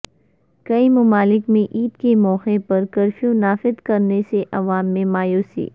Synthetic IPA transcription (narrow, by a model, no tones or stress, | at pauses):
kɐimʊmaːlɪkmẽʔiːd̪kemɔːxepɐɾkɐɾfijõnaːfɪd̪kɐɾneseʔɐʋaːmːẽmaːjoːsḭː